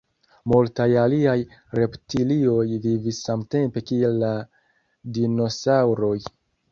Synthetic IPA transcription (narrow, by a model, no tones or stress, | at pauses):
multajaliajɾe̞ptilio̞jvivisːamte̞mpe̞kielːa | dino̞sawɾo̞j